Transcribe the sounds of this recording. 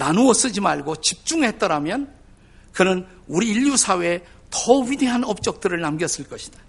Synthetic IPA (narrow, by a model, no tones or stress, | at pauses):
nanuʌs͈ɯd͡ʑimaɭɡot͡ɕip̚t͡ɕ͈uŋɦe̞t͈ʌɾamjʌn | kɯnɯn | uɾiːʎːusʰawe̞ | tʌwɥide̞ɦanʌp̚t͡ɕ͈ʌk̚t͈ɯɾɯɭnamɡjʌs͈ɯɭk͈ʌɕʰi̥d̥ḁ